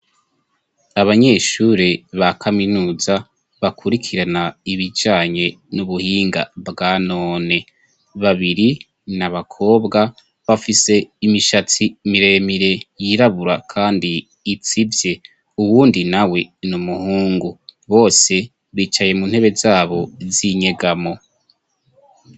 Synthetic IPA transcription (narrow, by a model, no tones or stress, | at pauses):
aβaɲe̞ːʃuɾeβakʰaminuːza | βakʰuɾikʰiɾanaiβid͡ʒaːɲe̞ | nuβuhiːŋɡa̰bɡaːnoːne̞ | βaβiɾi | naβakʰo̞ːbɡa | βafise̞imiʃat͡simiɾe̞miɾe̞jiɾaβuɾa̰kʰaːndiː | t͡sivje̞ | uβuːndinawe̞numuhuːŋɡuβo̞ːse̞ | βwiːt͡ʃaje̞munhe̞βe̞zaːβo̞ziɲe̞ɡamo̞